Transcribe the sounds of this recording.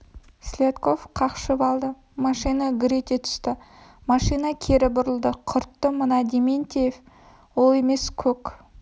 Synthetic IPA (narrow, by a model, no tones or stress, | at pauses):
sʲlʲet̪ko̞fqʰɑqʃəbɑlˠd̪ə | mɑʃijnɑɡʲɾʲet̪ʲet̪ʰʏ̥st̪ɪ | mɑʃijnɑkʲʰe̞ɾɪbʊɾəlˠd̪əqʰʊɾt̪ːəmənɑd̪ement̪ʲejef | wolˠe̞me̞skʲʰɵk